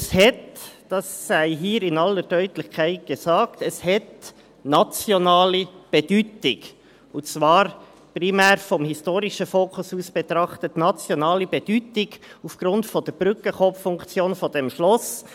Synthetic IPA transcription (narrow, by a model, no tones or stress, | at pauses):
shɛtd̥ɑsːæɪɦiːɾɪnɑlːəɾd̥œʏtlɪçkʰaɪt̚ɡ̥ɛsɑːktɛshɛt | nɑt͡sjonɑːlib̥ɛd̥yːtɪɡ | ʊt͡sʋɑːɾ | pɾimæːɾfɔmhɪstoːɾɪʃəfoːkʰʊsuːsb̥ɛt̪ɾɑχtətnɑt͡sjonɑːlibɛd̥yːtɪɡufɡ̥ɾʊntfɔd̥əɾb̥ɾʏkəχɔpffʊŋkt͡sjoːnfɔd̥ɛmʃlɔs